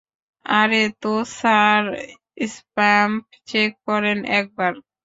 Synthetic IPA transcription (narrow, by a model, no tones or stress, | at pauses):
aɾet̪osaɾ | ispamp | t͡ɕekːɔɾenɛk̚baɾ